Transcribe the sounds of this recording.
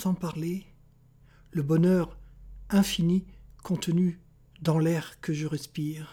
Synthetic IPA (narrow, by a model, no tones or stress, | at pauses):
sɑ̃paʁle | ləbɔnœʁɛ̃finikʰɔ̃t̪əny | d̪ɑ̃lɛʁkəʒəʁɛspiːʁ